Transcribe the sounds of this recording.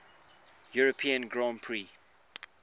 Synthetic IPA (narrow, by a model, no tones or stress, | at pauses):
juɹəpʰĩə̃nɡɹɔ̃mpʰɹi